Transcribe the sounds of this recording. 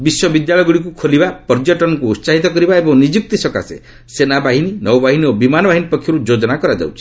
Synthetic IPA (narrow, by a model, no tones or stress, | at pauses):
biswɔbid̪jaɭɔjɡuɽik̬ukʰolibapɔɾd͡ʒɔʈɔnɔŋkuːt̪saɦit̪ɔkɔɾibaebɔŋnid͡ʒuk̚t̪isɔka̰sḛ | senabaɦininɔwbaɦiniobimanɔbaɦinipɔkʰjɔɾud͡ʒod͡ʒɔnakɔɾad͡ʒa̰wt͡ʃʰi̥